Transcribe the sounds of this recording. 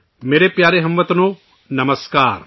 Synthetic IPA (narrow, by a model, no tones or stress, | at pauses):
meːɾepjaːɾeɦɐmʋɐt̪noː | nɐməskaːɾ